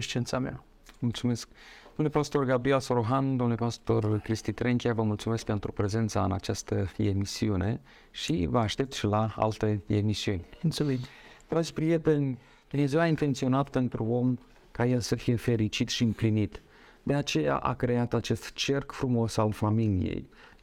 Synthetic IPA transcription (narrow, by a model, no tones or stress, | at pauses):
eʃt͡ʃiensamea̰ | mult̪sume̞sk̚ | d̪omnlepast̪o̞rɡabɾielsoɾoɦand̪omnulepast̪o̞rkɾist̪it̪ɾeŋkʲiavəmult̪sume̞sk̚pe̞nt̪ɾupɾe̞ze̞nt̪saɨnat͡ʃast̪əemisiune̞ | ʃivəaʃt̪e̞p̚t̪ʃilaa̰lt̪e̞emisiunʲunsumind̪ɾad͡ʒpɾijet̪enʲ | d̪ine̞zewaint̪e̞nt̪sio̞nat̪pe̞nt̪ɾuo̞m | kajelsəfije̞fe̞ɾit͡ʃit̪ʃiɨmplinit̪ | d̪e̞at͡ʃe̞ja̰ʔa̰kɾe̞at̪at͡ʃe̞st̪t͡ʃerkfɾumo̞salfamilijḛj